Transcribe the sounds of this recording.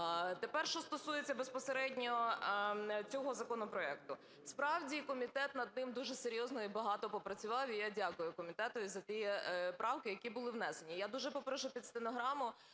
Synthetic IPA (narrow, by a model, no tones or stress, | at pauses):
t̪epɛrʃt͡ʃɔst̪ɔsujet͡sʲːɐbespɔseɾɛdʲnʲɔ | t͡sʲɔɦɔzɐkɔnɔpɾɔɛkt̪ʊ | spɾɑwdʲikɔmʲit̪ɛt̪nɐd̪̚nɪmd̪uʒɛseɾʲjɔznɔibɐɦɑt̪ɔpɔpɾɐt͡sʲʊʋɑwijadʲakʊjʊkɔmʲit̪ɛt̪ʊizɐt̪ʲijɛpɾɑwkɪjɐkʲibʊlˠɪʋnɛse̞nʲijad̪uʒɛpɔpɾʃʊpʲid̪st̪enɔɦɾɑmʊ